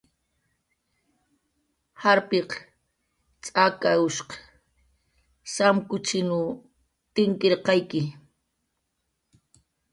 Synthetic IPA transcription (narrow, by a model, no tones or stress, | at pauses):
haɾpeq | t͡sʼakaʊʃqɑ̥ | samkʊt͡ʃɪnʊ | t̪ɪŋkeɾqɑjkɪ